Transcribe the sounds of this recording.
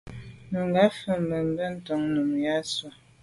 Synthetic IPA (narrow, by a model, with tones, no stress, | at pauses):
mə˨ŋɡa˨˦fə˨mə˨m˦bə˦n̩˦to˨ŋnu˨mja˦swa˨